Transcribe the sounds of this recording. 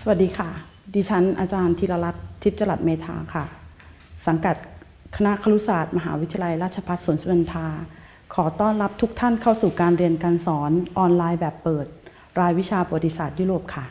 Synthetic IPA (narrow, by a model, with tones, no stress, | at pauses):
sa˧wa˨˩t̪̚diː˧kʰa˥˩ | diː˧t͡ɕʰa˦˥nʔaː˧t͡ɕaː˧nt̪ʰiː˧la˧la˦˥p̚t̪ʰːi˦˥p̚t͡ɕa˧la˨˩t̪̚meː˧t̪ʰa̰ː˧kʰa˥˩ | sa˩˦ŋka˨˩t̪̚ | kʰa˧na˦˥ʔkʰa˧lu˦˥saː˨˩t̪̚ma˧ɦaː˩˦wi˦t̪ʰa˧la˧jɾaː˥˩t̪̚t͡ɕʰa˧pʰa˦˥t̪̚suː˨˩˦nsa˧i˨˧˦nt̪ʰaː˧ | kʰɔː˩˦t̪ɔː˥˩nla˦˥p̚t̪ʰu˦˥k̚t̪ʰa˥˩nkʰa˥˩wsuː˨˩kaː˧nɾi˧ənka˧nsɔː˩˦nʔɔː˧nlaː˧jbɛː˨˩pːɤː˨˩t̪̚ | ɾaː˧jwi˦˥t͡ɕʰaː˧po˧˩wa˩t̪i˧saː˨˩t̪̚juː˥˩ɾoː˨˩p̚kʰa˥˩